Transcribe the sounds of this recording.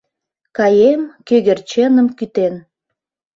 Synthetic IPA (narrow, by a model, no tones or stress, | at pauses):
kɑjemkøɣert͡ɕenəmkyt̪en